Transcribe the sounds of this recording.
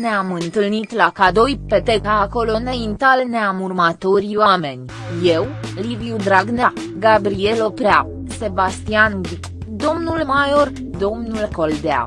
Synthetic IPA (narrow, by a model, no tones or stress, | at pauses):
neamɨnt̪ɨlnit̪lakad̪o̞jpe̞t̪ekaːko̞lo̞nejint̪alneamurmat̪o̞rʲwame̞nʲ | je̞wliviud̪ɾaɡna | ɡabɾie̞lo̞pɾea | se̞bast̪ianvi | d̪o̞mnulmajo̞r | d̪o̞mnulkold̪ea̰